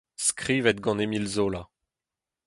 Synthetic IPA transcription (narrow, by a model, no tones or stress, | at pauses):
skʁiːvɛt̪̚ɡɑ̃nemilzoːla